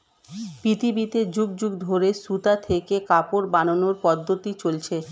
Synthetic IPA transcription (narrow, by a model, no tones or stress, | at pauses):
pit̪ibit̪ed͡ʑuɡ̚d͡ʑuɡd̪ʱoɾesut̪at̪ʰekekapoɾbanonoɾpɔd̪ʱːot̪it͡ɕolt͡ɕʰe